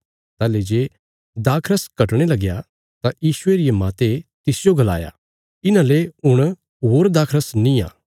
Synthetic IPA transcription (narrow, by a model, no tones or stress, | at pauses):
t̪aːled͡ʒeː | d̪aːkʰɾəskɐʈɽ̃elɐɡja | t̪ajiːʃʊeɾijemaːt̪et̪ɪsd͡ʒoɡɐla̰ːja̰ | ɪnãleʊɽ̃ | ɦoːɾd̪aːkʰɾəsnĩã̰ː